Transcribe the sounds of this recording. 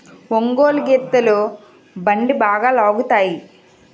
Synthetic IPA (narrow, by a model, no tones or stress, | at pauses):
ʋoŋɡoːlɡet̪ːɐloː | bɐɳɖibaːɡaːlaːɡut̪aːji